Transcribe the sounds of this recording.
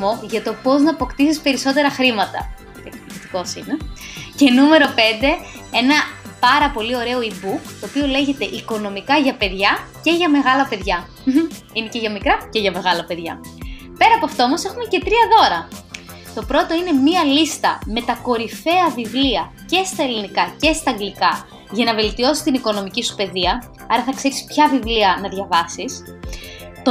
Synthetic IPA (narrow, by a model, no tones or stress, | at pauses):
mo̞ʝɐt̪o̞po̞znɐːpo̞kt̪isispe̞ɾiso̞t̪e̞ɾɐxɾimɐt̪ɐ̰ | ɐkt̪iki̥t̪i̥ko̞sinece̞nume̞ɾo̞pe̞nd̪e̞e̞nɐpɐɾɐpo̞lio̞ɾe̞o̞ibukt̪o̞ːpio̞le̞ʝe̞t̪e̞ʔiko̞no̞mikɐʝɐpe̞ðʝɐce̞ʝɐme̞ɣɐlɐpe̞ðʝɐ | ine̞ceʝɐmikɾɐceʝɐme̞ɣɐlɐpe̞ðʝɐ̰ | pe̞ɾɐːpoɐft̪oomo̞se̞xume̞ce̞t̪ɾiɐðo̞ɾɐ | t̪o̞pɾo̞t̪o̞ine̞miɐlist̪ɐ̰me̞t̪ɐko̞ɾife̞ɐvivliɐce̞st̪ɐelinikɐce̞st̪ɐːŋɡlikɐ | ʝɐnɐve̞lt̪io̞si̥st̪iniko̞no̞micisu̥pe̞ðiɐ | ɐɾɐθɐkse̞ɾispçɐvivliɐnɐðʝɐvɐsis | t̪o